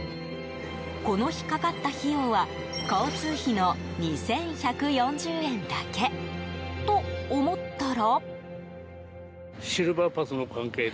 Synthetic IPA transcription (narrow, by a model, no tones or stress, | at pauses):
ko̞no̞çi̥kakat̪ːaçiɯ̃βa | koːt͡sɨːçino̞ | ɲ̟isẽ̞ɰ̃çakɯ̟jõ̞ɲ̟d͡ʑɨːẽ̞nd̪ake̞t̪o̞ːmo̞t̪ːaɾo | ɕiɾɯ̟bapasɨno̞kʰãŋke̞ː